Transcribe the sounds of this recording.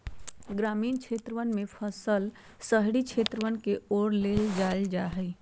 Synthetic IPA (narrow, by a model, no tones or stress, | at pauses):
ɡɾamiːnt͡ʃʰet̪ɾəʋənmepʰəsəl | səɦɽit͡ʃʰet̪ɾəʋənkeoɾleld͡ʒald͡ʒaɦɛj